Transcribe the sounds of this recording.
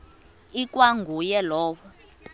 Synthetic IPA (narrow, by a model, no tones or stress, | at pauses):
ikʼwaŋɡʱujɛlɔːwɔ